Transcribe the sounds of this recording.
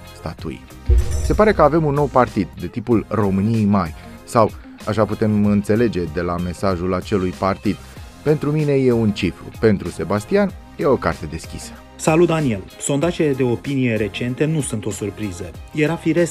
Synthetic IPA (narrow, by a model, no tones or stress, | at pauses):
st̪at̪ṵj̰ | se̞paɾe̞kəave̞munːo̞wpart̪id̪ːe̞t̪ipulro̞mɨnijejmaj | saw | aʃaput̪e̞mɨnt̪se̞le̞d͡ʒe̞d̪e̞lame̞saʒulat͡ʃe̞lujpart̪id̪ | pe̞nt̪ɾumine̞je̞unt͡ʃifɾṵpe̞nt̪ɾuse̞bast̪ian | je̞o̞kart̪e̞d̪e̞skʲḭsə̥ | salut̪̚d̪anie̞lso̞nd̪aʒeled̪e̞o̞pinije̞ɾe̞t͡ʃe̞nt̪e̞nusunt̪o̞surpɾizəjeɾafiɾe̞s